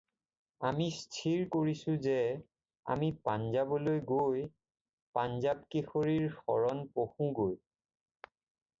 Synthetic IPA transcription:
amistʰiɹkoɹisʊ̃zɛ | a̰mipanzabɔlojɡoj | panzab̚kexoɹiɹxɔ̰ɹɔnpoxũɡoj

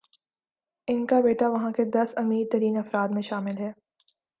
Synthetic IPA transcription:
ɪnkabeːʈaʋɐɦãked̪ɐsɐmiːɾt̪ɐɾiːnɐfɾaːd̪mẽʃaːmɪlɦɛː

